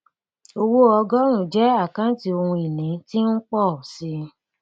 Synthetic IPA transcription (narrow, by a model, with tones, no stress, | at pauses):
o˧wo˦ɔ˧ɡɔ˦ɾ̃ũ˦˨d͡ʒɛ˨˦a˦˨kã˦ti˧o˧hũ˧i˨nĩ˨˦ti˦n̩˦k͡pɔ˦˨si˧